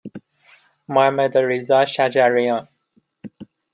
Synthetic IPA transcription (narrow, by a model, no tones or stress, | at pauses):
majmɛd̪əɹizaʃad͡ʒaɹiã